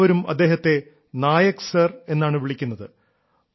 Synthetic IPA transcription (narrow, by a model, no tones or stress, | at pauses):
ʋɐɾumɐ̰d̪ːe̞ːɦɐt̪ːe̞ | naːjɐksɐre̞nːaːɳɨʋiɭikʲːunːɐðɨ